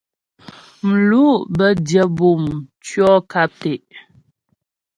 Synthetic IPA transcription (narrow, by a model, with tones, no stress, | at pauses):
m̩˨lu˦ʔbə˦djə˨bu˨mt͡ʃɥɔ˦ka˦p̚te˨ʔ